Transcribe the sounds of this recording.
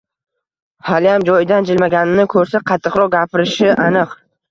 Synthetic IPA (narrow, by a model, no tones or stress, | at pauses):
haljamd͡ʒɒjɪd̪and͡ʒɪlmaɡʲanɪnɪkʰɵɾsaqʰɑt̪ʰːɨqɾɒqɡʲapʰɪɾɪʃɪʔanɨq